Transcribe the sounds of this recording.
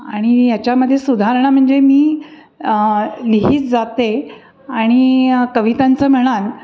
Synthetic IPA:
aɽ̃ijat͡ɕjaməd̪ʱːjesud̪ʱaɾɳ̃am̤əɳd͡zemiː | liɦiːt͡sd͡zat̪e | aɽ̃ikəʋit̪ant͡səːm̤əɽ̃an

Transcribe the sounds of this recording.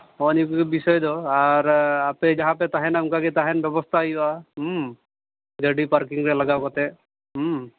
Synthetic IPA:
ɔnikukbisɔjd̪ɔaɾaped͡ʒaɦãpɛt̪aɦɛnaŋkakit̪aɦɛnbjɔbɔst̪ʰajba | ɡeɖipaɾkiŋɾɛləɡakɔt̪e | ɦ

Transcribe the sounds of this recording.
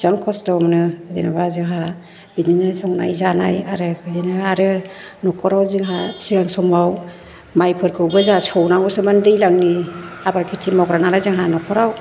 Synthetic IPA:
z̥aŋkʰɔstɔmnɯdenabazɯŋɦa | bininɯsɔŋna̰jzanajaɾɯkʰɯjenɯaɾɯ | nɔkʰɔɾawziŋɦasiɡaŋsɔmaw | majpʰɯɾkʰɯwbɯzasɔwnaŋɔsɯmandɯjlaŋniabaɾkʰitimɔɡɾanaɾazaŋɦanɔkʰɔɾaw

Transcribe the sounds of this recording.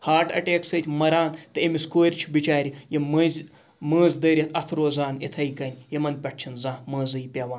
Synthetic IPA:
haːʈɐ̰ʈeːksɐt̪ʲmɐɾaːnt̪ɨemʲiskoːɾʲt͡ʃʰbit͡ʃaːɾʲijemɨzʲ | məːzd̪ɐːɾʲit̪ʰɐt̪ʰɾoːzaːnit̪ʰɐjkɐnʲjemɐnpʲɐʈ̚t͡ʃʰinzãːməːzɨjpʲɐʋaːn

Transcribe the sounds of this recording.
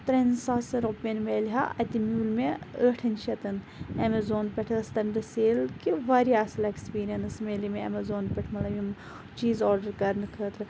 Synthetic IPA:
t̪ɾensaːsɐɾopenmeːliɦa̰ʔɐt̪imjuːlmeəːʈʰɐnt͡ʃʰɐt̪ɐn | emɐzoːnpɐʈʰɨst̪ɐmd̪ɐseːlkiʋaɾiaːsɐlekspiːɾijɐnsmeːlimeɐ̰mɐzoːnpʲɐʈʰmɐt̪lɐbim | t͡ʃiːzɔːɾɖɐɾkɐɾnɨkʰəːt̪ɾɨ

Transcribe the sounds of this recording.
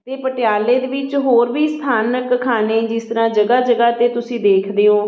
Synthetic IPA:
t̪eːpəʈɪjaːleːd̪eːʋɪt͡ʃɦoːɾʋiːst̪ʰaːnəkkʰːaːneːd͡ʒɪst̪əɾãːd͡ʒəɡaːd͡ʒəɡaːt̪eːt̪ʊsĩːd̪eːkʰd̪eːõː

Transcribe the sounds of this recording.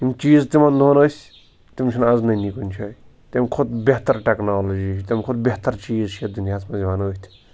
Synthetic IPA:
imt͡ʃiːzt̪imɐnd̪ʱoːnɐsʲ | t̪imt͡ʃʰinaznɐjnikunʲt͡ʃʰɐːj | t̪emkʰud̪̚bʲet̪ɐɾʈeknaːlɐd͡ʒisʲt̪ʲemkʰud̪̚bʲeht̪ɐɾt͡ʃiːzt͡ʃʰed̪unjaːt͡sʰmɐzʲiʋaːnɐt̪ʰʲ

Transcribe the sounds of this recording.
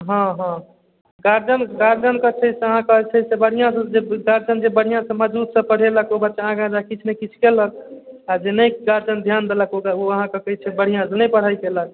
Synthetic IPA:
ɦɔ̃ɦə̃ | ɡaɾd͡ʒənɡaɾd͡ʒənkət͡ʃʰəseəɦãkət͡ʃʰəjsebəɽ̤ijãsə̃d͡ʒeɡaɾd͡ʒənd͡ʒebəɽ̤ijãsə̃məd͡ʒut̪sə̃pəɽ̤eləkobətːt͡ʃaəɦãked͡ʒakit͡ʃʰnəkit͡ʃʰkelək̚ad͡ʒenəjɡaɾd͡ʒənd̪ʱjand̪eləkokoəɦãkəkəjt͡ʃʰɛbəɽ̤ijãsənəjpəɽ̤ajkelək̚

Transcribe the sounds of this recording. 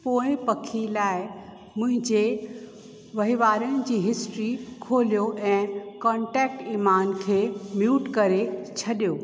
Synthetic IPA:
poːɪ̃pɐkʰilaːɪ | mʊ̃ɦɪ̃ɲd͡ʑe | ʋɐɦiʋaːɾəɽ̃ɪ̆d͡ʑiːɦɪsʈɾikʰoːlijoʔɛ̃ːkɔ̃ːʈɛːk̚ʈiːmaːnkʰeːmjuːʈkɐɾet͡ɕʰɐɗijoː

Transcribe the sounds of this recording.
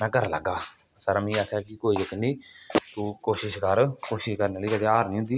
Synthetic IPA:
nãːkəɾlə̰ɡaː | səɾaːmĩːaːkʰjaːkɪkoːiːd͡ʒəkniːt̪uːkoːʃɪʃkəɾkoːʃɪʃkəɾnaːliːkət̪eaːɾnĩːɦʊ̃nd̪iː

